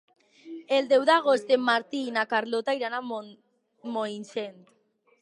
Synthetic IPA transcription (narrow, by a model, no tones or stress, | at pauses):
eld̪e̞wðaɣ̞ost̪emaɾt̪iːnakaɾlot̪ajɾana | moinsent̪